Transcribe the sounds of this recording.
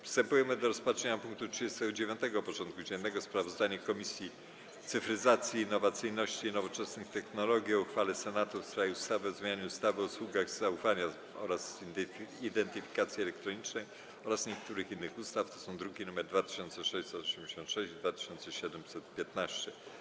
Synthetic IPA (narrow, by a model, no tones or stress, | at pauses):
fst̪ɛmpujɛmɘd̪ɔɾɔspatʂɛɲapuŋk̚t̪utʂɨd͡ʑest̪ɛɡɔd͡ʑevʲjɔ̃nt̪ɛɡɔpɔt͡ʂɔnt̪̚kud͡ʑɛnːɛɡɔspɾavɔzd̪aɲɛkɔmʲisʲji | t̪sɘfɾɘzat̪sʲjiːnːɔvat̪sɘjnɔɕt͡ɕinɔvɔt͡ʂɛsnɘxt̪ɛxnɔlɔɡʲiɔuxfalɛsɛnat̪ufstɾajiust̪avɘɔzmʲjaɲuust̪avɔuswuɡaɣz̥aufaɲa | ɔ̰ɾas | id̪ɛnt̪ɘfʲi̥kat̪sʲjiɛlɛkt̪ɾɔɲit͡ʂnɛj | ɔɾasɲɛkt̪uɾɘxinːɘxust̪aft̪ɔsɔ̃w̃d̪ɾuɡʲinumɛɾd̪vat̪ɪ̥ɕɔnt̪sɛɔʂɛɕsɛt̪ɔɕɛmd͡ʑeɕɔnt̪ʂɛʑd̪vat̪ɘ̥ɕɔnt̪sɛɕɛd̪ɛmsɛt̪pʲjɛt̪naɕt͡ɕɛ